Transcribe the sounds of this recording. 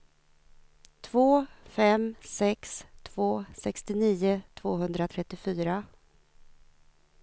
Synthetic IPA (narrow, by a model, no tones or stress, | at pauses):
t̪ʰv̥oːfɛmsɛkst̪ʰv̥oːsɛkst̪ɪniːʊt̪ʰvoːɦɵnd̪ɾat̪ʰɾɛt̪ːɪfyːɾa